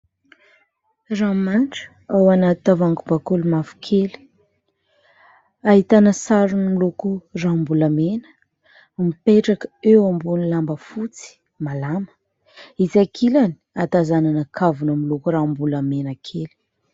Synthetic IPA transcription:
ramanʈ͡ʂə̥ | awanat̪it̪avaŋkubakulumafu̥kʰeli̥ | aɦit̪anəsaɾunəmilukurambulamenə̥ | mipeʈ͡ʂakəewambunilambəfut͡si̥ | malamə̥ | izakʰilani̥at̪azananakʰavunəmilukurambulamenakʰeli̥

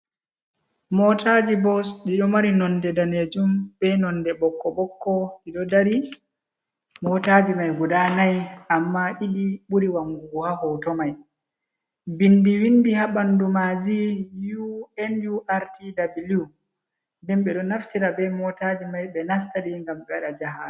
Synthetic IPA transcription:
mɔtʰad͡ʒibɔsɗiɗɔmaɾinɔndɛdaned͡ʒumbɛnɔndɛɓɔkːɔɓɔkːɔiɗɔdaɾi | mɔtad͡ʒimajɡɔɗanajʔamːaʔiɗiɓuɾiwaŋɡuhahɔtɔmaj | bindiwindihaɓandumad͡ʒijuɛnjuʔaɾtidabilu | ndɛnɓɛɗɔnaftiɾabɛmɔtad͡ʒimajɓɛnas̬taɗiŋɡamɓɛɗad͡ʒaɦa

